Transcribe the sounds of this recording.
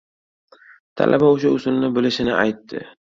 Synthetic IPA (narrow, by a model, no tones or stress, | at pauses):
t̪ʰa̰lʔa̰baʊʃaʊsʊlnɪbɪlɪʃɪnɪajt̪ːɪ̰